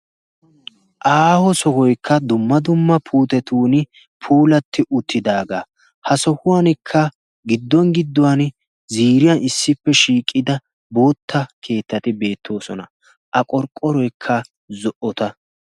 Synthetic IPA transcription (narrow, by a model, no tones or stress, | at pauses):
ʔaːhɔsɔhɔjkʰːɐd̪ʊmːɐd̪ʊmːɐpʰuːt̪ɛt̪uːnɪ | pʰuːlɐt̪ʰːɪʔʊt̪ʰːɪd̪aːɡaː | hɐsɔhʊwanɪkʰːɐ | ɡɪd̪ːɔŋɡɪd̪ːɔwan | ziːɾɪjanɪsːɪpːɛʃiːkʼːɪd̪ɐ | bo̞ːt̪ʰːɐkʰe̞ːt̪ːɐt̪ɪbe̞ːt̪ʰːo̞ːsɔnɐ | ʔɐkʼɔɾkʼːɔɾɔjkʰːɐ | zɔʔɔt̪ɐ